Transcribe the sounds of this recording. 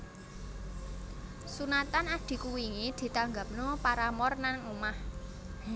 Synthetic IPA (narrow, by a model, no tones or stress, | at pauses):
sunat̪anaɖ̪̥i̤kuwiŋid̪̥i̤t̪aŋɡap̚nopaɾamɔrnaŋumah